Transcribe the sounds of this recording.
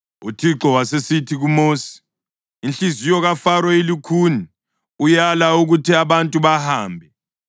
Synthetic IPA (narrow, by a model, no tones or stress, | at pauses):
utʰiǁɔwasesitʰiɣumoːsi̥ː | nt͡ɬizijɔɣafaɾɔilikʰuni | ujalauɣutʰiaβantʼuβahaːmbʱɛ